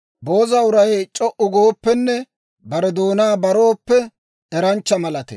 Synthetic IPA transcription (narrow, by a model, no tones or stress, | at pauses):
bo̞ːzɐʊɾɐjt͡ʃʼɔʔʊɡoːpːɛnːɛ | bɐɾɛd̪o̞ːnaːbɐɾo̞ːpːɛ | ɛɾɐnt͡ʃːɐmɐlɐt̪ɛ̰